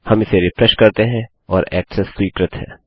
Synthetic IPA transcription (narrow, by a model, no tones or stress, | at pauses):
hɐmɪseɾɪfɾɛʃkɐɾt̪eɦɛ̃ | ɔːɾɛːksɛsːwiːkɾət̪ɦɛ̰̃ː